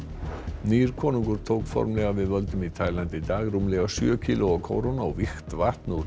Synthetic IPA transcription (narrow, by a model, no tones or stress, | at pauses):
niːɾkʰɔːnuŋkʏɾ̥t̪ʰowkfɔ̰ɾmlɛɣavɪðvœlt̪ʏmit̪ʰajlant̪id̪aːɣɾumlɛɣasjʏcʰiːlʊɔkʰo̰wɾonaɔvɪxt̪var̥t̪nu